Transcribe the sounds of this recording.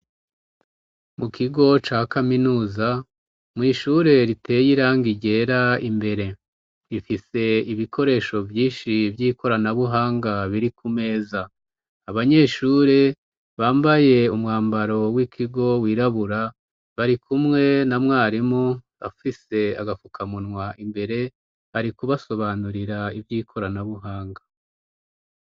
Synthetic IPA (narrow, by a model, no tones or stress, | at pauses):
mukʰiɡo̞t͡ʃaːkaminuːza | mŋiːʃuɾe̞ɾitʰe̞ːjiɾaŋɡiɟe̞ːɾaimbe̞ɾe̞ | ɾifise̞iβikʰo̞ɾe̞ːʃo̞vjiːnʃivjiːko̞ɾanaβuɦaːŋɡaβiɾikume̞ːzaː | βaɲe̞ːʃuːɾe | βaːmbaje̞umŋaːmbaɾo̞wikʰiɡo̞wiːɾaβuɾa | βaɾikumŋe̞namŋaːɾimoβafise̞a̰ɡafukʰamunŋwaʔimbe̞ɾe̞ | βaɾikuβaso̞βanuɾiɾaivjiːkʰo̞ɾanaβuɦaːŋɡa